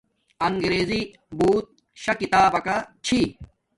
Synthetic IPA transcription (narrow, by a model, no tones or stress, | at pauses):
ɐŋɡɾeːzi | buːt̪̚ | ɕɐkit̪aːbɐkɐt͡ɕʰi